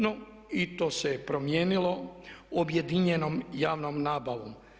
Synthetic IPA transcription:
no | it̪o̞ːsepɾo̞mjeːnilo̞obje̞d̪iɲenomjaːʋnomnaːbaʋo̰m

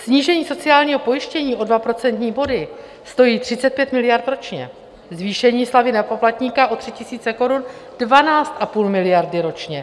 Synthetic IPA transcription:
sɲiːʒɛɲiːso̞t͡sɪaːlɲiːɦo̞po̞jɪʃcɛɲiːʔo̞dvapɾo̞t͡sɛnt̪ɲiːbo̞dɪ | st̪o̞jiːt̪r̝̥ɪt͡sɛt̪̚pjɛt̪mɪlɪjaɾt̪ɾo̞t͡ʃɲɛ̰ | zviːʃɛɲiːslavɪnɛpoplat̪ɲiːkaʔo̞t̪r̝̥ɪcɪsiːt͡sɛko̞ɾund̥vanaːt͡st̪ʔapuːlmɪlɪjaɾdɪɾo̞t͡ʃɲɛ

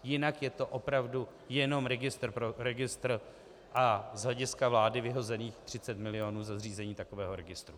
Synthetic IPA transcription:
jɪnakjɛt̪o̞ʔo̞pɾavdu | jɛno̞mɾɛɡɪst̪r̩pɾoɾɛɡɪst̪r̩ | ʔazɦlɛɟɪskavlaːdɪvɪɦo̞zɛniːxt̪r̝̥ɪt͡sɛt̪mɪlɪo̞nuːzazriːzɛɲiːt̪akovɛːɦo̞ɾɛɡɪst̪ɾu

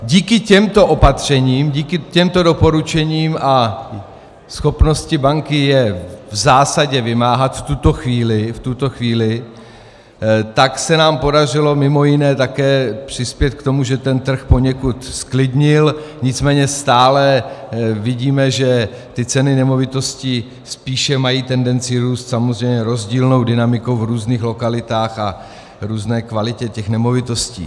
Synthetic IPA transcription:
ɟiːkɪcɛmt̪o̞ʔo̞pat̪r̝̥ɛɲiːmɟiːkɪcɛmt̪o̞do̞po̞ɾut͡ʃɛɲiːma | sxo̞pno̞scɪbaŋkɪjɛvzaːsaɟɛvɪmaːɦat̪ft̪ut̪o̞xviːlɪft̪ut̪o̞xviːlɪ | t̪aksɛnaːmpo̞dar̝ɪlo̞mɪmo̞jɪnɛːt̪akɛːpr̝̥ɪspjɛt̪̚kt̪o̞muʒɛt̪ɛnt̪r̩xpo̞ɲɛkut̪sklɪdɲɪlɲɪt͡smɛːɲɛst̪aːlɛ | vɪɟiːmɛʒɛ | t̪ɪt͡sɛnɪnɛmo̞vɪt̪o̞sci | spiːʃɛmajiːt̪ɛndɛnt͡sɪɾuːst̪samozrɛjmɲɛɾo̞zɟiːlno̞wdɪnamɪkowvɾuːzniːxlo̞kalɪt̪aːxa | ɾuːznɛːkvalɪcɛcɛxnɛmo̞vɪt̪o̞scḭː

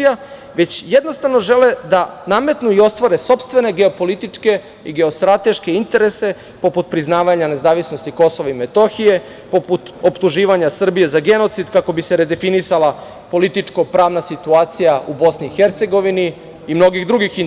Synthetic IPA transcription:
ja | ʋe̞t͡ɕjed̪no̞st̪aʋnoʒe̞led̪aname̞t̪nuio̞st̪ʋaɾeso̞pst̪ʋe̞ne̞ɡeo̞po̞lit̪it͡ʂke̞ | iɡe̞o̞st̪ɾat̪e̞ʃke̞int̪e̞ɾese̞ | po̞put̪̚pɾiznaːʋaɲane̞zaːʋisnost̪iko̞so̞ʋaimet̪o̞xije̞ | po̞put̪o̞pt̪uʒiːʋaɲasr̩bije̞zaɡe̞no̞t̪sid̪kako̞biseɾe̞d̪e̞finisalˠa | po̞lit̪it͡ʂko̞pɾaːʋnasit̪uaːt̪sijaʔubo̞sniːxeɾt̪se̞ɡo̞ʋiniː | mno̞ɡiɣd̪ɾuɡixin

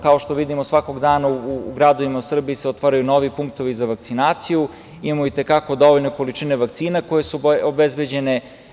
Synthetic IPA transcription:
kao̞ʃt̪o̞ʋid̪imosʋako̞ɡd̪aːnauːɡɾad̪o̞ʋimausr̩biːseot̪ʋaɾajuno̞ʋipuŋk̚t̪o̞ʋizaʋak̚t̪sinaːt̪siju | imamoit̪e̞kako̞d̪o̞ʋo̞ʎno̞ko̞lit͡ʃineʋakt̪siːnako̞je̞suobezbed͡ʑe̞ne̞

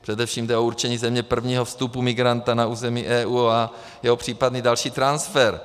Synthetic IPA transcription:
pr̥ɛdɛfʃiːmdɛouɾt͡ʃɛɲiːzɛmɲɛpr̩vɲiːɦofst̪upumɪɡɾant̪anauːzɛmiːʔɛːʔuːa | jɛɦopr̝̥iːpadniːdalʃiːt̪ɾansfɛɾ

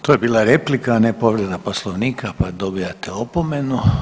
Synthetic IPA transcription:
t̪ojebiːlˠaɾeplikanepo̞ʋɾed̪aposlˠoʋniːkʰapad̪o̞biat̪eopo̞me̞nu

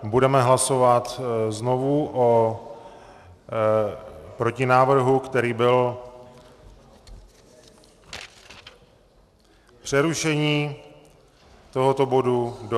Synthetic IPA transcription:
budɛmɛɦlaso̞vat̪zno̞vuʔo | pɾo̞cɪnaːvr̩ɦukt̪ɛɾiːbɪl | pr̥ɛɾuʃɛɲiː | t̪o̞ɦo̞t̪o̞bo̞dud

